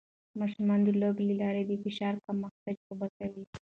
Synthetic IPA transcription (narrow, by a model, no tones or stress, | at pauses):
mɑʃumɑnd̪əloblelɑɾed̪əfɪʃɑɾkamːaxt̪ad͡ʒxobakawi